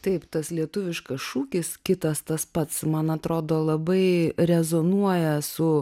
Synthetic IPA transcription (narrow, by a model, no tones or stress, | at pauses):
t̪ɐɪpt̪ɐslʲiɛt̪ʊʋʲɪʃkɐsʃuːkʲɪskʲɪt̪ɐst̪ɐspɐt̪smɐnɐt̪ɾoːd̪oːlˠɐbɐɪrʲɛzonuɔjɛsʊ